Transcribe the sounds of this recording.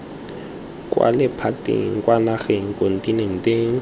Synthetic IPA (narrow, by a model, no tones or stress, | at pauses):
kʼwa̰lɛpʰatʼḭŋkʼwanaxɛŋ̩kʼon̩tʼinen̩tʼeŋ